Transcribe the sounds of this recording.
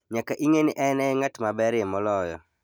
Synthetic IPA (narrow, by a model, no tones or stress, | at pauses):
ɲakaʔiŋenɪʔɛnɛŋatmabɛɾjɛmɔlɔjɔ̰